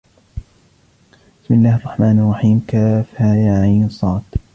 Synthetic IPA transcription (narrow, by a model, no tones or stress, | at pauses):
bɪsmɪlːaːhɑrˤːɑħmaːnɑrˤːɑħiːmkaːfhajaʕajnsˤɑːt̪